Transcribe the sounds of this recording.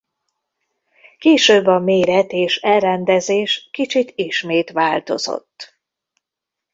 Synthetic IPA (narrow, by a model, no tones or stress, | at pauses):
keːʃøːbːɒmeːɾɛt̪eːʃɛlrɛnd̪ɛzeːʃkit͡ʃit̪iʃmeːt̪ʋaːlt̪o̞̰zo̰t̪ː